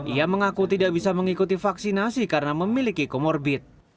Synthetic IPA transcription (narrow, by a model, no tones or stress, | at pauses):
ʔiaməŋakut̪idaʔ̚bisaməŋikut̪ifaksinasikaɾənaməmilikikomɔrbɪt̪̚